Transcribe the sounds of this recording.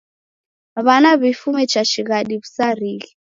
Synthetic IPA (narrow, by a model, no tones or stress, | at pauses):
aβanaβifumɛt͡ʃat͡ʃiɣaɗiβusariːɣi